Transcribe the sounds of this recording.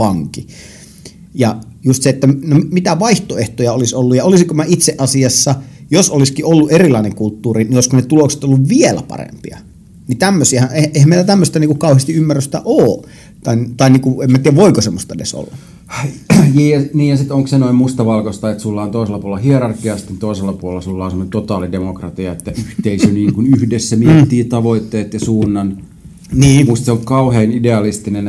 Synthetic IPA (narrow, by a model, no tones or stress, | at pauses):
ʋɑŋki | jɑjust̪seet̪ːænommit̪æʋɑiht̪oeht̪ojɑolisolːujɑolisiŋkomæit̪seʔɑsiɑsːɑjosoliskiʔolːuʔerilˑɑˑineŋkult̪ːuːrinioˑiskunnet̪ulokse̥t̪olːuʋʋielæ̰pɑ̰rḛmpḭɑ̰ | nit̪æmːøsiæhæneʔehæmeˑilæt̪æmːøst̪æniːkukɑˑuhest̪iymːærːøst̪æ̰ʔoː | t̪ɑint̪ɑiniːkuemːæt̪iæʋʋoikosemːost̪ɑḛdḛso̰lːɑ | jiːjɑniːjɑsit̪oŋksenoimmust̪ɑʋɑlkost̪ɑet̪sulːɑont̪oˑiselːˑɑpuolːɑhierɑrkˑiɑsi̥t̪ːent̪oˑiselːɑpuolelɑsulːɑonsemənent̪ot̪ɑːlidemokrɑt̪iɑet̪ːæyht̪eisyniːŋkunyhdesːæmiet̪ːiːt̪ɑʋoit̪ːeːt̪jɑsuːnːɑn | niːmust̪seolkkɑuheːnideɑlist̪inen